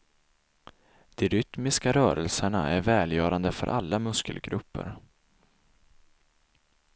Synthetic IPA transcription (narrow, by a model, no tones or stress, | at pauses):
d̪̥ɛɾʏt̪mɪskaɾœːɾəlsəɳaæɾvɛːljœːɾand̪əfœ̰ɾʔalːamɵskəlɡɾɵpːə̰ɾ